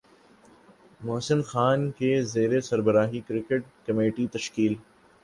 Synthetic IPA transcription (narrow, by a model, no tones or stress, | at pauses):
mɔːsɪnxaːnkezeːɾesɐɾbəɾaːɦikɾɪkeʈ̚kɐmeːʈit̪ɐʃkiːl